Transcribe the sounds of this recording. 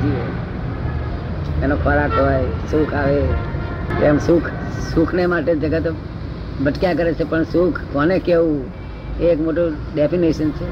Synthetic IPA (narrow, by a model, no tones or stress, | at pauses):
d͡ʒie | enokʰoɾakɦojsukʰaʋe | emsukʰsukʰnemaʈed͡ʒeɡet̪o | bəʈkjak̬əɾet͡ʃʰepəɳsukʰkonekeʋũ | eekmoʈu | ɖepʰiniʃənt͡ʃʰe